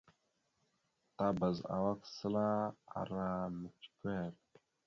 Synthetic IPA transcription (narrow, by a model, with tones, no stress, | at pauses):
ta˦ba˨za̰˨wa˦ksə˦la˦a̰˨ɾa˦mə˨t͡ʃkʷe˦ɾ